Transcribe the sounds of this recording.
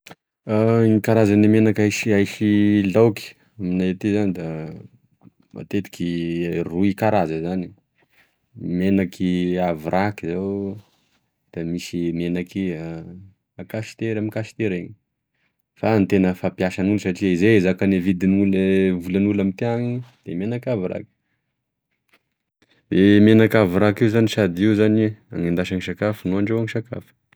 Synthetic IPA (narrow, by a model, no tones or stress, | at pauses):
ŋikaɾazanimenakajʃiajʃilawki̥ | aminat̪izanid̪a | ma̰t̪et̪i̥kiruikaɾazəzani | menakʰiavirʔakizew | d̪̥amisimenakia | akasi̥t̪eɾamikaʃi̥t̪eɾeɲi | fant̪enəfapiaʃanulsaʈ͡ʂiizezakanevid̪inulvulanulamit̪iaŋid̪̥emenakʲaviɾa̰ki̥ | emenakʲaviɾakiwzaniʃad̪iwzana̰ŋind̪aʃaŋisakafənuaɳɖ͡ʐewaŋiʃaka̰fə̥